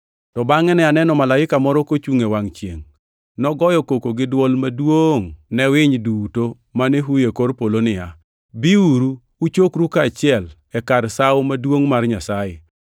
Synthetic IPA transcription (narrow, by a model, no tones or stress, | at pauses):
tɔbaŋɛnɛanɛnɔmalaɪkamɔɾɔkot͡ʃuŋewaŋt͡ʃjḛŋ | nɔɡɔjɔkokoɡɪdwɔlmadwoŋnɛwɪɲduto | maneɦujekoɾpolonɪja | biuɾu | ut͡ʃokɾukaːt͡ʃɪɛl | ɛkaɾsawmadwoŋmarɲasajɪ